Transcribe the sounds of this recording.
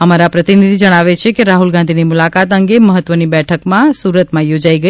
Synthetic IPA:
əmaɾapɾət̪inid̪ʱid͡ʒəɽ̃aʋet͡ʃʰekeɾaɦulɡãnd̪ʱinimulakat̪əŋɡeməɦət̪ːʋənibɛʈʰəkmãsuɾət̪mãjod͡ʒaiɡə

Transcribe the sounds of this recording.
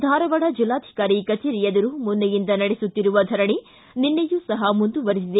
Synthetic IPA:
d̪ʱaːɾɐʋɐɽɐd͡ʒilːaːd̪ʱi̥kaːɾikɐt͡ʃeːɾijɐd̪ɐɾuːmund̪ɐjind̪ɐnɐɽesut̪ːiɾuʋɐd̪ʱɐɾɐɳi | ninːejusɐɦɐmund̪uʋɐɾis̬id̪e

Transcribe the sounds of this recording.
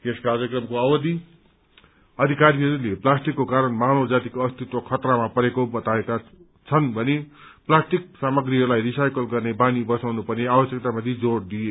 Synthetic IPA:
t̪eskard͡zʌkrʌmkoawʌd̪i | ʌd̪ʱikaɾiɦʌɾuleplasʈikːokaɾʌnmanod͡zat̪ikoʌst̪ʰit̪wʌkʰʌt̪ramapʌɾekobʌt̪aeka | t͡sʰʌnbʱʌneplasʈik̚samʌɡɾiɦʌɾulajrisajkʌlɡʌrnebanibʌsawnupʌneabʌsjk̚t̪amʌt̪ʰid͡zoɽd̪ije

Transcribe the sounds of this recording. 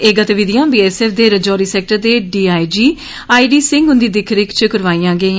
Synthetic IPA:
ɪɡət̪ʋɪd̪ijãːbiːɛːsɛːfʰd̪eːɾəd͡ʒɔːɾiːsɛːk̚ʈəɾd̪eːɖiːaːid͡ʒiː | aːiːɖiːsɪ̃ŋɡʊnd̪iːd̪ɪkʰɾɪkt͡ʃəkəɾʋaːiːãːɡəiː

